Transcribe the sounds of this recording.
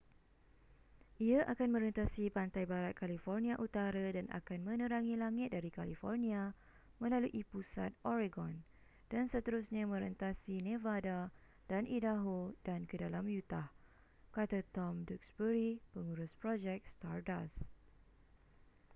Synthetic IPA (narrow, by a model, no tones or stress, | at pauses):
ʔiaʔakanmə̃ɾənt̪asipant̪ajbaɾat̪̚kalifɔrnĩaʔut̪aɾadana̰kanmə̃nə̃ɾaŋilaŋɪt̪̚daɾikalifɔrnĩa | mə̃laluʔipusat̪̚ɔɾeɡɔn | d̥ansət̪əɾusɲãmə̃ɾənt̪asinẽvada | danʔidaɦodankədalamjut̪ah | kat̪at̪ɔmduk̚sbəɾipəŋuɾʊspɾɔd͡ʒɛk̚st̪ardas